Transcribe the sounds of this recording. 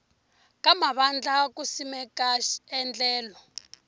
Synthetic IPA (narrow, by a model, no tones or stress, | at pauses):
k̬ʼamaβand͡ɮak̬ʼusimɛkaɛnd͡ɮɛːlɔ